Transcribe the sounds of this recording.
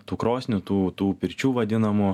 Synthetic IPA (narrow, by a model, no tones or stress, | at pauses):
t̪uːkɾoːsʲnʲʊt̪uːt̪uːpʲɪɾʲt͡ʃʲuːʋɐd̪ʲɪnɐmʊ